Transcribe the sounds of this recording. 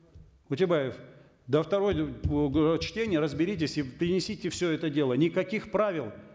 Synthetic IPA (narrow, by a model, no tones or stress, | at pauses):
ʊtʲɪbajɪf | d̪əft̪ɐɾo̞j | t͡ɕtʲenʲɪjəɾəzbʲɪɾʲit̬ʲɪsʲipʲɾʲɪnʲɪsʲitʲɪfsʲɵɛt̪ədʲe̞lˠənʲɪkɐkʲixpɾavʲɪlˠ